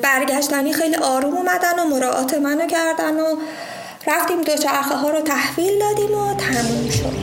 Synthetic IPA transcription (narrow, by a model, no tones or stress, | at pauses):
b̥æɾɟæʃt̪æniːxejliʔɒːɾuːmumæd̪ænomoɾɒːʔɒ̰ːt̪ʰe̞mænocʰæɾd̪æno | ɾæft̪iːmd̪ot͡ʃʰæɾxeɦɒːɾot̪ʰæhviːld̪ɒːd̪iːmot̪ʰæmiːnʃo̰d̪